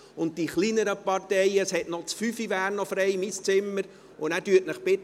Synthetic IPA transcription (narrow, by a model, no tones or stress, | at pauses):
ʊnt̚d̥iχliːnəɾəpɑrtɛjəshɛtnɔt͡sfyfiʋæːɾnɔfɾɛɪmist͡sɪmːəɾ | ʊnæːɾdyətnəχpɪt